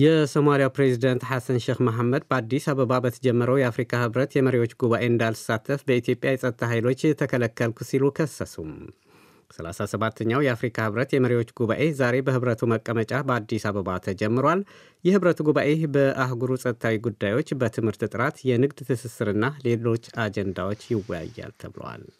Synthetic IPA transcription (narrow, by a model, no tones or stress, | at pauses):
jɛso̞malijawpɾe̞zid̪ənt̪ħasənʃexmaɦamːəd̪̚bəad̪ːisaβəβabət̪ʰəd͡ʒɛmːəɾəwjɛafɾikʰahɨβɾət̪jɛməɾiwo̞t͡ʃːɡuβaʔe̞ɨnd̪alsat̪ʰːəfbəit̪ʰijo̞pʼjajɛsʼət̪t̪ʰːaɦajlo̞t͡ʃːt̪ʰəkʰələkʰːəlkʰusilukʰəsːəsum | səla̰sasəβat̪ʰːəɲːawjɛafɾikʰahɨβɾət̪jɛməɾewo̞t͡ʃːɡuβaʔe̞zaɾe̞bəhɨβɾət̪ʰuməkʼːəmət͡ʃʼabəad̪ːisaβəβat̪ʰəd͡ʒɛmːɨɾwal | jɛhɨβɾət̪ʰuɡuβaʔe̞bəʔaɦɡuɾusʼət̪t̪ʰawiɡud̪ːajwo̞t͡ʃːbət̪ʰɨmhɨɾt̪ɨt̪ʼɨɾat̪jɛnɨɡd̪t̪ʰɨsɨsɨɾɨnːale̞lo̞t͡ʃːad͡ʒɛnd̪awo̞t͡ʃːjɪwɔja̰jːa̰lt̪ʰəβɨlə̰wa̰l